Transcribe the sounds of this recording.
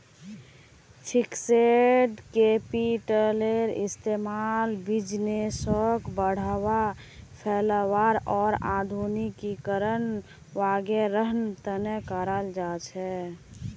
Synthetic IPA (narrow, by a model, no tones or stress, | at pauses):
t͡ʃʰikseɖkepiʈəleɾḭst̪emalbid͡ʒnesɔkbəɽ̤awa | pʰeləwaɾɔːɾad̪ʱunikikəɾən | ʋaɡeɾəɦənt̪ənekəɾəld͡ʒat͡ʃʰɛ